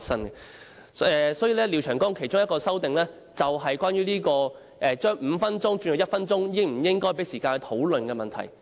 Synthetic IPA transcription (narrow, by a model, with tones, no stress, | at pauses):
sɐ˥nɛ˧ | ɛ˧sɔː˨˥jiː˨˧lɛː˥liː˨˧wt͡ʃʰœː˨˩ŋkɔː˥ŋkʰe˨˩jt͡sʊ˥ŋjɐ˥tkɔː˧sɐ˥wt̪ɪ˨ŋlɛː˥ | t͡sɐ˨wɦɐ˨jkʷwaː˥njyː˥liː˥kɔː˧ | ʔɛː˨˧t͡ʃœː˥ŋm̩ː˨˧fɐ˥nt͡sʊ˥ŋt͡ʃyː˧njɔ˨˩jɐ˥t̚fɐ˥nt͡sʊ˥ŋjɪ˥ŋm̩˨˩jɪ˥ŋkɔː˥jp̬e˨˥jsiː˨kaː˧nɛ˧t̪ʰo˨˥wlɵ˨nkɛː˧mɐ˨nt̪ʰɐ̰˨˩j